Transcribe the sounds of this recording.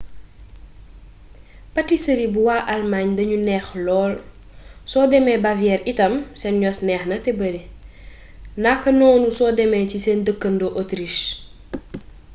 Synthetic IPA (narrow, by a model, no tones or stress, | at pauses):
pɐtisɐɾibuwaːʔalmaːɲdɐɲunɛxlɔːl | sɔdɛmɛbavijɛːɾitɐmsɛnɲɔsnɛːxnɐtɛbɐɾi | nakɐnɔːnusɔːdɛmɛcisɛndəkːɐndoʔotɾiʃ